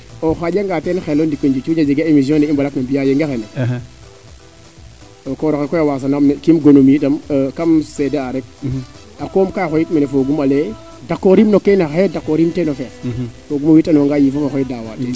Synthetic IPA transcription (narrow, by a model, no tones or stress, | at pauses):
oxaɟaŋɡatenxelondikoɲd͡ʒut͡ʃud͡ʒad͡ʒiɡaemis̬jõndɛimbalaknambijajeŋɡexene | okoɾoxekɔjawas̬anamnkimɡonomitamkamsedeaɾɛk̚ | akomkaxɔjitmanefoɡumale | dakːoɾimnokenaxaedakːoɾimtenofesfoɡumawitanoŋɡajifafoxɔidawa̰ti